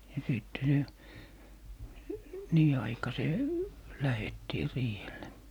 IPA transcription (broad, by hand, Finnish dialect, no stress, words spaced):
jɑ siˑtːe se niː ɑikɑseː læhetːiː riːhelːe